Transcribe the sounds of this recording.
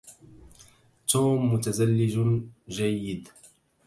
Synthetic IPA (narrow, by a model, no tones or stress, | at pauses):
t̪uːmːʊt̪azalːɪd͡ʒd͡ʒajːɪd̪